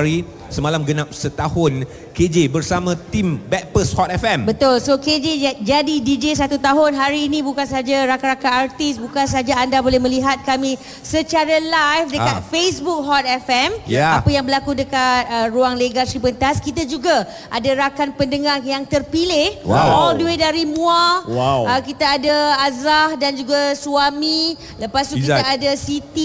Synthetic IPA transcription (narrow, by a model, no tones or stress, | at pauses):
ɾi | səmalamɡənap̚sət̪ahʊn | ked͡ʒebərsamãt̪imbɛt̪̚pəshɔt̪ɛfɛmbət̪ʊlsoked͡ʒed͡ʒadidid͡ʒes̬at̪ut̪aɦʊnɦaɾiːnĩbukans̬ad͡ʒaɾakaɾakaːrt̪ɪsbukans̬ad͡ʒaːndabolɛhmə̃liɦat̪̚kamĩ | sət͡ʃaɾalajfdəkat̪̚fesbuk̚ɦɔt̪̚ɛfɛmjapajaŋbəlakudəkat̪̚əruaŋleɡasɾipənt̪askit̪ad͡ʒuɡa | ʔadaɾakanpəndəŋarjaŋt̪ərpilɪhwaɔlduwedaɾimũaəkit̪aːdaazahdand͡ʒuɡasuami | ləpast̪ukkit̪aadasit̪i